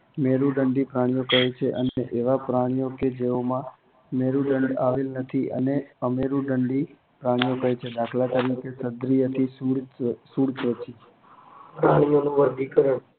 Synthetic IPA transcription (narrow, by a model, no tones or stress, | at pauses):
meɾuɖəɳɖipɾaɽ̃ijokəɦet͡ʃʰeʔə̰neʔeʋapɾaɽ̃ijoked͡ʒeomã | meɾũɖəɳɖaʋelnət̪ʰiʔə̰neəmeɾũɖəɳɖi | pɾaɽ̃ijokəɦet͡ʃʰed̪akʰlat̪əɾikesəd̪ɾijət̪ʰisuɽsuɽt̪ʋət͡ʃi | pɾaɽ̃ijonũʋəɾd̪ʱikəɾəɳ